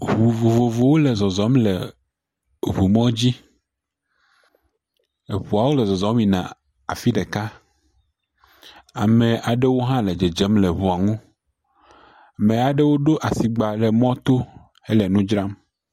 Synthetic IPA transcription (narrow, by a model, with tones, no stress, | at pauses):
ɦu˨vo˨vo˨vo˨wo˦le˨zɔ˨zɔ˨˦mle˨ | βu˨mɔ̃˦d͡ʑi˦ | e˨ɸu˨a˨wo˦lɛ˨zɔ˨zɔ˨˦mĩ˨nã̰˨ | a˨fi˦ɖe˨ka˦ | a˨mẽ˨ʔa˨ɖe˦wo˦ɦã˦le˨d͡ʒe˨d͡ʒe˦mle˨βu˨a˨ŋũ˦˨ | mẽ˨a˨ɖe˦wo˦ɖo˦ʔa˨si˨ɡ͡ba˨lɛ˨mɔ̃˦t̪o˦ | e˦lɛ˨nũ˦d͡ʒɾa˦m